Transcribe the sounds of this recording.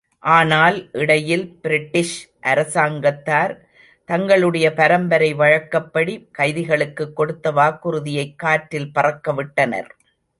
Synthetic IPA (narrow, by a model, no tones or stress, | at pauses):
ʔaːnaːlʔɪɽɐjɪlbɪɾɪʈːɪʂ | ʔɐɾɐsaːŋɡɐt̪ːaːɾ | t̪ɐŋɡɐɭɯɽɐjɐpɐɾɐmbɐɾɐɪʋɐɻɐkːɐpːɐɽikɐɪðɪɣɐɭɯkːɯkːɔɽɯt̪ːɐʋaːkːɯɾɯðɪjɐɪkːaːʈɾɪlpɐrɐkːɐʋɪʈːɐnɐ̰ɾ